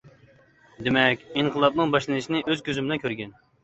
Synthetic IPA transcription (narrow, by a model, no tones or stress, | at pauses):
d̪emɛkʲiɴqʰəlˠɑpnɨŋbɑʃlˠɨnɨʃinɪʔøzkʲʰøzymbɪlɛnkʰʲøɾɡʲɛn